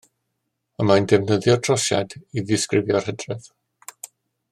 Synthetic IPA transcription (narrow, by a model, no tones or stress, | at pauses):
əmaəndɛvnəðjɔtʰrɔʃja̰diðɪskrɪvjɔr̥hədrɛð̥